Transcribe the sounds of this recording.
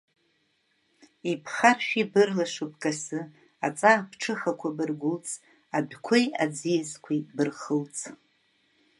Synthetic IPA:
ipʰχarʃᶣibɨrlaʂup̚ʰkʼasɨ | at͡sʼabʰʈ͡ʂʰɨχakʷʰabɨrɡʷʊlt͡sʼ | abʷᶣkʷʰoja̰d͡zijazkʷʰibɨrχəlt͡sʼʰ

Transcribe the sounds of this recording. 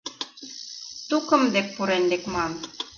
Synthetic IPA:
t̪ukɤ̆md̪ek̚puɾend̪ekmɑn

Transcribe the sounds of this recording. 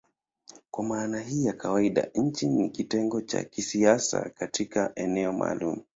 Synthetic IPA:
kwamaːnaɦijakʰawaiɗa̰ɲ̩t͡ʃinikitɛŋɡɔt͡ʃa̰kisiasa̰katikaʔɛnɛɔma̰ːlumu

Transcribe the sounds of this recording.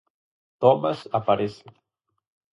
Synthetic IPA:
t̪omasapaɾese

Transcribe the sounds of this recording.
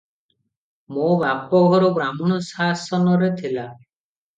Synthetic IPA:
mobapɔɡʱɔɾubɾamɔɽ̃ɔsasɔnɔɾet̪ʰila

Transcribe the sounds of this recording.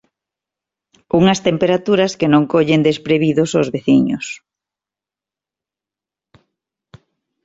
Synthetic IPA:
uŋɐst̪empeɾat̪uɾɐskenõŋkoʎend̪espɾeβiðʊsozβeθiɲʊ̰s

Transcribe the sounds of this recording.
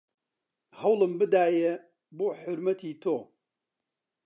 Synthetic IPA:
hɐwlɨmbɨd̪aːje | boħʊɾmɐt̪ʰiːt̪ʰoː

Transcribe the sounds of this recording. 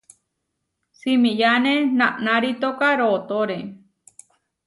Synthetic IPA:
simĩjanẽnãʔnãɾit̪okaɾoːt̪oɾe

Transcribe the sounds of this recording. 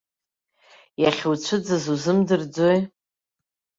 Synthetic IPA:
jaχʲwt͡ɕʷʰɨd͡zɨzuzɨmdɨrd͡zoj

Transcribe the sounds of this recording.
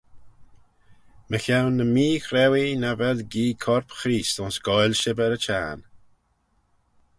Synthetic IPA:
məxawnːəmiːxɾɛwinavɛlɡiːkʰɔɾpxɾiːstʊnsɡ̥ɔjlʃɪbɛɾət͡ʃʰa̰ːn

